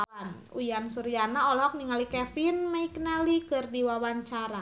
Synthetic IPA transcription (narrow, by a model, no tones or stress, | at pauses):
an | ujansuɾianaɔlɦɔk̚niŋalikɛfinmaikənalikɨrdiwawaɲt͡ʃaɾa